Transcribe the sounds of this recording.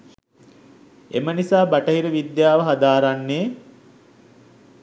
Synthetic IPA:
emənisaːbaʈəɦiɾəʋid̪jaːʋəɦad̪aːɾanːeː

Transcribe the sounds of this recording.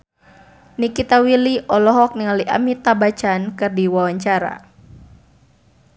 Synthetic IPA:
nikit̪awiliʔɔlɔɦɔk̚niŋaliʔa̰mit̪abat͡ʃankɨrdiwawaɲt͡ʃaɾa̰

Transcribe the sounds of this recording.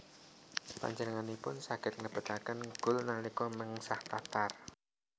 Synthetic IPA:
pa̰ɲd͡ʒənəŋanipʊnsaɡ̥ɪt̪̚ŋəb̥ə̤t̪akənɡ̥ʊ̤lnalikɔməŋsaht̪at̪ar

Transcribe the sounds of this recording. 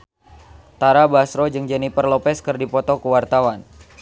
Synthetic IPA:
t̪aɾabasɾɔd͡ʒɨŋd͡ʒɛnipərlɔpɛskɨrdipɔt̪ɔkəwart̪awan

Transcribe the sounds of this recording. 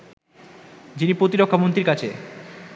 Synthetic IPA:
d͡ʑinipɾot̪̬iɾokʰːamont̪ɾiɾkat͡ɕʰe

